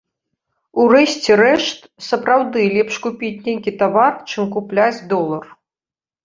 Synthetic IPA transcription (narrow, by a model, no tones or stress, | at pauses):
urɛɕʲt͡sʲɛɾɛʂt̪sɐpɾawd̪ɨlʲipʂkupʲit͡sʲnʲejkʲit̪avart͡ʂɨmkuplʲad͡zʲd̪ɔlˠɐr